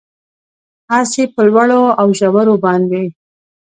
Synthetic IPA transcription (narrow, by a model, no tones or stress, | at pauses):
asepəlwaɽoawʒawaɾobɑnd̪e